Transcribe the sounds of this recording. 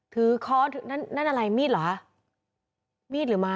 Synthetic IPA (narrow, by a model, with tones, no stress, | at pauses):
t̪ʰɯː˨˩˦kʰɔː˦˥t̪ʰɯ˨˩˦na˦˥˩nːa˦˥nʔa˧ɾa˧jmiː˥˩t̚lɔ˨˩ka˦˥ | miː˥˩t̪̚lɯː˩˦maː˧